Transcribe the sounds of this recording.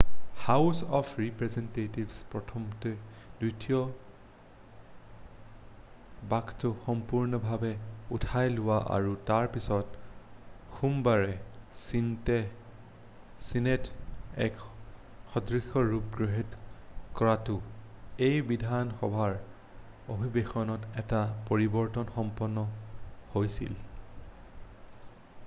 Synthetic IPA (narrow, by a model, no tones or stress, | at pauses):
hawsɔpʰɹipɹɛzɛntetibspɹɔtʰɔmtɔ | dujtijɔ | baktʊxɔmpuɹnɔbʱabɛutʰajlʊwaʔa̰ɹutaɹpisɔt | xumbaɹɛsintɛ | sinɛtɛ̰k | xɔdɹixɔɹup̚ɡɹɔɦitkɔɹatʊejbidʱanxɔbʱaɹ | obʱibexɔnɔtɛtapoɹibɔɹtɔnxɔmpɔnːɔhojsḭl